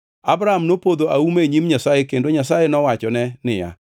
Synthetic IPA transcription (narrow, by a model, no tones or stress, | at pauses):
abɾaamnopoðoʔaumeɲimɲasajekendoɲasajenɔwat͡ʃɔnɛnɪja̰